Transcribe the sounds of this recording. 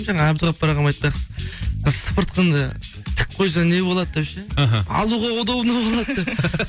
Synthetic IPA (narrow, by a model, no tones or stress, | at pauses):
ʒɑɴɑɑbzəʁɑp̚bɑɾɑʁɑnmɑjt̪̚pɑsəzʒspəɾt̪̚qʰənd̪ə | t̪ʰɪ̥k̚ʲqʰo̞js̬ɑne̞bo̞lˠɑd̪̚d̪epʃeɦɑ̰lˠuʁɑod̪ɑwnɑbolˠɑd̪d̪e